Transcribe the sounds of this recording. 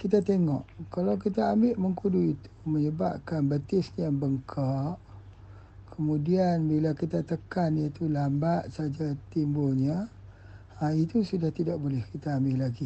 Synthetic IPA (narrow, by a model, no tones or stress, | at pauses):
kit̪at̪eŋɔʔkalawkit̪aːmbɪʔməŋkuduit̪u̥məɲəba̰p̚kanbət̪ɪsɲabəŋkʰaʔ | kʰəmũdianbilakit̪at̪əkanjat̪ulambaʔ̪̚saad͡ʒat̪imbulɲa | it̪usudaht̪idaʔbolɛhkit̪aːmbɪʔlaɡi